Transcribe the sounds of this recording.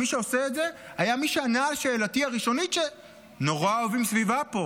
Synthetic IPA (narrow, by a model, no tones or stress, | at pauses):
miʃeoseetze̞hajamiʃeanaːlʃe̞ːlatiaʁiʃo̞nit̪ʃe̞ | no̞ʁaovimsvivapo̞